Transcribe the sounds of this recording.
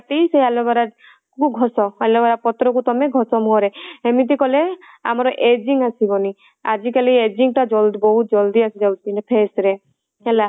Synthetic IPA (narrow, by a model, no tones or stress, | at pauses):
at̪isejalɔbaɾa | kuɡʱɔsɔelɔbaɾapɔt̪ɾɔkut̪ɔmeɡʱɔsɔmuɦɔɾeemit̪̬ikɔle | a̰mɔɾɔʔed͡ʒiŋasibɔni | ad͡ʒikalied͡ʒiŋʈad͡ʒɔlbɔɦut̪̚d͡ʒɔld̪iasid͡ʒawt̪inɛpʰesɾe | ela